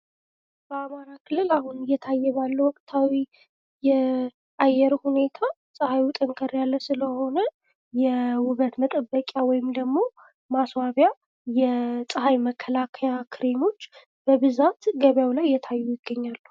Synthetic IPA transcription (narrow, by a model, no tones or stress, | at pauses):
b̥əamaɾakʰɨlːɨlahunɨjːɛt̪ʰajːɛβalːəwɔkʼt̪ʰawi | jɛ | ʔajːɛɾhune̞t̪ʰa | sʼɨhajut̪ʼəŋkʰəɾjalːəsɨləho̞nə | jɛwʊβət̪mət̪ʼəbːəkʼawɔjɪmd̪əɡmo̞ | maswaβja | jɛsʼɨɦajməkʰːəlakʰəjakʰɨɾemo̞t͡ʃː | b̥əbɨzat̪ɡəβjawlajjɛt̪ʰajːujɪɡːəɲːalːu